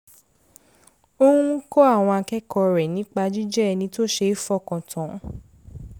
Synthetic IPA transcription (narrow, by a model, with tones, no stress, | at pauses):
o˦hũ˦kɔ˦a˦˨w̃ɔ̃˧a˧kɛ˦kɔ˧ɾɛ˨nĩ˨˦k͡pa˧d͡ʒi˦d͡ʒɛ˦˧nĩ˧˦to˦ʃe˧˦i˦fɔ˦˨kã˨tʰã˨˦